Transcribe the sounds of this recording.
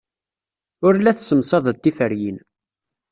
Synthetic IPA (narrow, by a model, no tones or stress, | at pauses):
ʊɾlæθsəmsɑðˤət̪ːifəɾjin